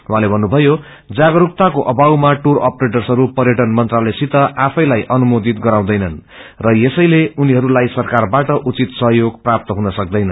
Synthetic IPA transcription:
wɦãlebʱʌnːubʱʌjo | d͡zaɡʌɾuk̚t̪akoʔʌbawmaʈurʌ̰preʈʌrsʌɾupʌrjeʈʌnmʌnt̪ralejsit̪ʌʔapʰʌjlajʔʌnumod̪it̪ɡʌɾaw̃d̪ʌjnʌn | rʌjesʌjleuniɦʌɾulajsʌrkarbaʈʌʔut͡sit̪sʌɦjoɡprap̚t̪ʌɦunʌsʌk̚d̪ʌjnʌn

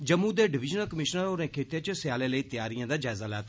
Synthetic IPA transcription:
d͡ʒəmːuːd̪eːɖɪʋɪd͡ʒnəlkəmɪʃnəɾoːɾẽːkʰeːt̪jẽt͡ʃsɪjaːleːləiːt̪jaːɾijãːd̪aːd͡ʒaːɪzaːla̰ːt̪a

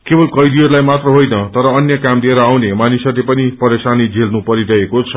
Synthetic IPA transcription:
kebʌlkʌjd̪iɦʌɾulajmat̪rʌɦojnʌt̪ʌɾʌːnjʌkamd̪ieɾʌawnemanisʌrlepʌnipʌɾesanid͡zʱelnupʌɾiɽʌekot͡sʰʌ

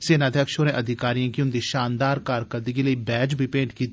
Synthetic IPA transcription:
seːnaːd̪ʱjəkʃoɾẽːʔəd̪ʱɪkaːɾijãːkiʊnd̪iːʃaːnd̪aːɾkaːɾkəɾd̪ikeləibɛːd͡ʒbʱipẽːɳʈkiːt̪

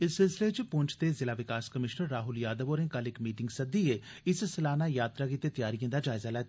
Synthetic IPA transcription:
ɪssɪlsɪlet͡ʃpʊ̃ɲt͡ʃʰt̪eːzɪlaːʋɪkaːskəmɪʃnəɾːaːɦʊljaːd̪əʋoːɾẽːkalɪkmiːʈɪŋɡsəd̪iːeːɪsslaːnaːjaːt̪ɾaːkɪt̪ːeːt̪jaːɾijə̃ːd̪aːd͡ʒaːɪzaːlɛːt̪ː

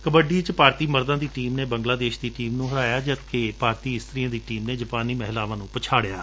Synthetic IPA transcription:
kəbəɖiːt͡ʃpaːɾt̪iːməɾd̪ãːd̪iːʈiːmneːbə̃ŋɡlaːd̪eːʃd̪iːʈiːmnũːɦəɾaːjaːd͡ʒət̪kʰeːpaːɾt̪iːɪst̪ɾiːãːd̪iːʈiːmneːd͡ʒəpaːniːmɛɦlaːʋãːnũːpət͡ʃʰaːɽejaː

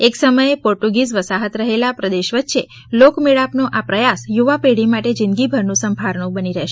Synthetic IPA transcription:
eksəməjepɔɾʈuɡizʋəsaɦət̪ɾəɦelapɾəd̪eʃʋətːʃe | lokmeɭapnoʔapɾəjasjuʋapeɽimaʈed͡ʒind̪ɡibʱəɾnũsəmbʱaɾɳũbəniɾəɦʃe

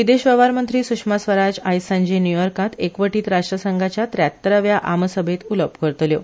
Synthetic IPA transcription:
ʋid̪eɕʋəʋaɾmənt̪ɾiːsukʂmasʋəɾad͡ʑajsãɲd͡ʑinjujɔɾkat̪ekʋəʈiːt̪ɾaʂʈɾəsəŋɡʱat͡ɕjat̪ɾjat̪ːəɾəʋjaʔaməsəbʱet̪uləpkəɾt̪ljo

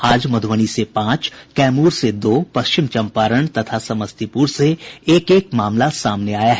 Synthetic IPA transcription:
aːd͡ʒmɐd̪ʱwəɽ̃isepãːt͡ʃkɛːmuːɾsed̪oːpɐʃt͡ʃɪmt͡ʃɐ̃mpaːɾəɳ̃t̪ɐt̪ʰasɐməst̪ipuːɾseeːkeːkmaːmlasaːmneaːjaɦɛː

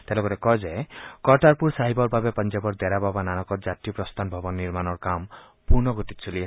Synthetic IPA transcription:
t̪elɔkɔɾekɔd͡ʒekɔʈaɾpuɾsaɦibɔɾbʱabepɔnd͡ʒɔbɔɾd̪ɛɾababananɔkɔɾd͡ʒat̪ijɔpɾɔst̪ʰanbʱɔbɔnniɾmanɔɾkam | puɾnɔɡotit̪sʰuli

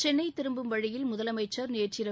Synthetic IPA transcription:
t͡ʃɛnːɐɪt̪ːɪɾɯmbɯmʋɐɻɪjɪlmʊðɐlɐmɐɪt͡ʃːɐɾnɪjɐt͡ʃɪɾɐ

